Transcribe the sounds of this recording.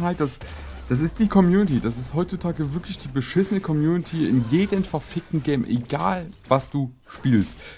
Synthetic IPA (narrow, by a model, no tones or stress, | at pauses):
halt̚d̥asd̥as̬ɪst̚d̥iːkʰɔmjuːnɪtiːd̥as̬ɪsthɔʏtt͡sutʰaːɡəvɪɐklɪçd̥iːbəʃɪsənəkʰɔmjuːnɪtʰiɪ̰njeːdənfɛɐfɪk̚tn̩ɡɛɪmʔḛɡa̰ːlvasd̥uː | ʃpiːlst